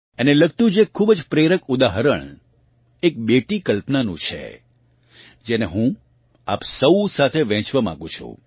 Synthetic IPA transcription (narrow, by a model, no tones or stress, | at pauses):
eneləɡt̪ũd͡ʒekʰːubəd͡ʒpɾeɾəkud̪aɦəɾəɳ | ek̚beʈikəlpnanṵ̃t͡ʃʰḛ | d͡ʒeneɦũ | a̰psəusat̪ʰeʋɛ̃t͡ʃʋamã̰ŋɡũt͡ʃʰṵ̃